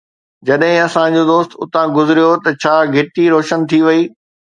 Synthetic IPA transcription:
d͡ʑɐɗɦɪ̃ɐsãd͡ʑoːd̪oːst̪ʊ̰t̪ãɡʊzɪɾijot̪ɐt͡ɕʰaːɡʱɪʈiɾoːʃənt̪ʰiʋɐiː

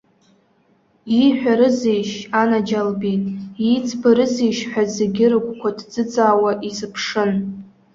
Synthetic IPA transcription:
iħʷᶣaɾɨzijʃanad͡ʒalbitʼit͡sʰbaɾɨzijʃħʷᶣazeɡʲɪrkʷʰʼkʷʰadd͡zɨt͡sʼaːwaʔizɨpʰʂɨn

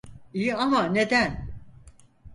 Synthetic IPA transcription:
iiamaned̪æn

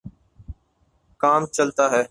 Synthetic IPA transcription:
kaːmt͡ʃəlt̪aːɦɛː

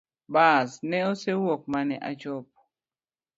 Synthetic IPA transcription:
basnɛosewok̚manɛʔa̰t͡ʃɔp̚

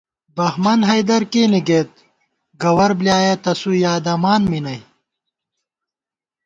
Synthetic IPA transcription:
bɐhmɐnɦɐjd̪ɐɾkeːniɡet̪̚ | ɡɐwɐɾbljaːjɐt̪ɐsujaːd̪ɐmaːnminɐj

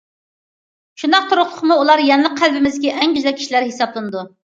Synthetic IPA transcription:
ʃund̪ɑq̚t̪ʰoɾʊχlˠʊχmuulˠɑɾjɛnlˠəq̚qʰːælbɪmɪzd̪kʲiʔɛŋɡʲyzɛkʲʰi̥ʃilæɾhesɑblˠɨnɨd̪u

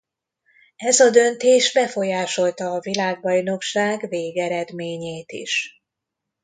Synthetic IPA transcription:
ɛzɒd̪ø̞nt̪eːʒbɛfo̞jaːʃo̞lt̪ɒːvilaːɡ̚bɒjno̞kʃaːɡveːɡɛɾɛd̪meːɲeːt̪ḭʃ

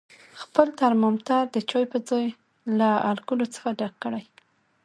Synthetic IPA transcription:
xpəlt̪aɾmɑmt̪ɑɾd̪ət͡ʃojpəd͡zoj | laalkulot͡sə̥xaɖaɡ̚kːəɽaj

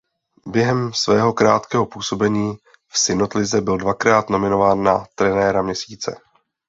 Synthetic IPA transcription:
bjɛɦɛmsvɛːɦo̞kɾaːt̪kɛːɦo̞puːso̞bɛɲiː | fsɪno̞t̪lɪzɛbɪldvakɾaːt̪no̞mɪno̞vaːnːat̪ɾɛnɛːɾamɲɛsiːt͡sɛ̰

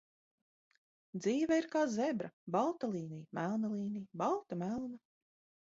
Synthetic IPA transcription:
d̪ziːvɛiɾkaːzebɾa̰balˠt̪alˠiːnijmælˠnalˠiːnijbalˠt̪amælˠna

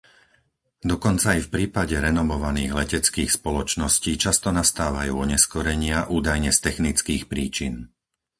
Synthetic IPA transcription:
d̪ɔkɔnt͡saifpɾiːpaɟɛɾɛnɔmɔʋaniːɣlɛcɛt͡skiːxspɔlɔt͡ʃnɔsciːt͡ʃast̪ɔnast̪aːʋajuːɔɲɛskɔɾɛɲɪaʔuːd̪ajɲɛst̪ɛxnit͡skiːxpɾiːt͡ʃin

